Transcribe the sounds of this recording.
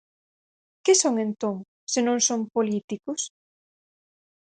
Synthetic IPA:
kɪsoŋent̪oŋ | senõŋsompolit̪ikʊs

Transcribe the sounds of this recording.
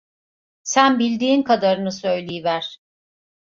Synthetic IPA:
sænbilʲd̪iːnkʰad̪aɾɯnɯsø̞jlʲijivæɾ̥

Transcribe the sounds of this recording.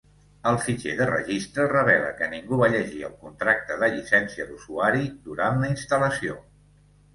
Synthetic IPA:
əlˠfit͡ʃḛðərə̰ʒist̪ɾərəβ̞ɛlə̰kəniŋɡuβaʎəʒiə̰lˠkunt̪ɾak̚t̪əðəʎisɛnsiəd̪uzuaɾiðuɾanləinst̪ələsio

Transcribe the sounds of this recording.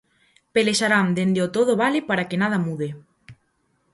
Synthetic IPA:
peleʃaɾand̪end̪eot̪oðoβalepaɾakenaðamuðe

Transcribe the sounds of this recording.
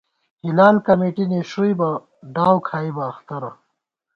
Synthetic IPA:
hilaːlkɐmeːʈineʂujbɐ | ɖaːwkʰaːibɐːxt̪ɐɾɐ

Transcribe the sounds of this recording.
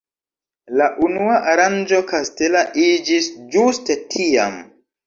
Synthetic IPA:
laʔunuaʔaɾand͡ʒo̞kaste̞laʔid͡ʒisd͡ʒustetʰia̰m

